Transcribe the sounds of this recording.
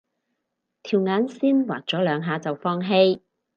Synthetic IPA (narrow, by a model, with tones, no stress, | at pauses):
t̪ʰiː˨˩wŋaː˨˥nsiː˥nwaː˨˩k̚t͡ʃɔː˨˥lœː˨˧ŋɦaː˨˧t͡sɐ˨wfɔː˥ŋɦe˥j